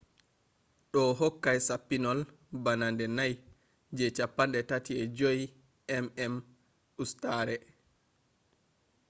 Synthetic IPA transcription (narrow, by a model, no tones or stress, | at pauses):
ɗɔɦɔkːajsapːinɔl | banandɛnaj | d͡ʒɛt͡ʃapːanɗɛtatiɛd͡ʒoji | ɛmɛm | ustaɾɛ